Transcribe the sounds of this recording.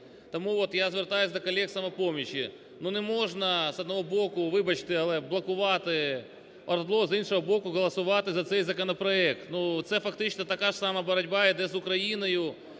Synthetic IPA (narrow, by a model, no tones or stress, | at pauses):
t̪ɐmuʋot̪jazʋʲɪrt̪ajʊsʲd̪ɐkɐlʲeksɐmɐpomʲɪɕɪ | nunɪmo̞ʐnɐsɐd̪nɐʋobokʊʋɪbɐt͡ɕt̪ɪɐlˠɛblˠɐkʊʋat̪ɪ | ɐɾd̪lˠozinʂəɦɐbokʊɣɐlˠɐsʊʋat̪ɪzɐt̪sɛjʲzɐkɐnɐpɾɐɛkt̪nut̪sɛfɐkt̪ɪt͡ɕsnɐt̪ɐkaʐsamɐbɐɾɐdʲbaɪd̪ɛzʊkɾɐjinɐjʊ